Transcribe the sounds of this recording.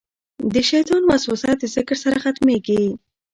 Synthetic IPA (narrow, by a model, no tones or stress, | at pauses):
d̪əʃajt̪ɑnwasusat̪̚d̪əzɪkɾsaɾaxat̪meɡi